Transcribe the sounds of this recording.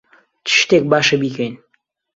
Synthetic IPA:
t̪ʰɪ̥ʃt̪ek̚baːʃebikʲʰejn

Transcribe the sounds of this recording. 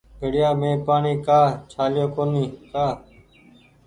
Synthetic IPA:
bʱeɽɪjaːmẽːpaːɳiːkaːt͡ʃʰaːljoːkoːniːkaː

